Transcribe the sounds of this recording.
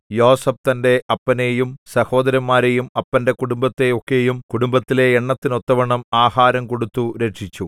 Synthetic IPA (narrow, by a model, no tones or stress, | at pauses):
jo̞ːsɐb̚t̪ɐnde̞ʔɐpːɐne̞jumsɐho̞ːd̪ɐɾjɐmːaːɾejumɐpːɐnde̞kuɽumbɐt̪ːe̞okːe̞jumkuɽumbɐt̪ːile̞ːɳːɐt̪ːino̞t̪ːɐʋɐɳɐmaːhaːɾɐmko̞ɽut̪ːuɾe̞ʈʂit͡ɕːu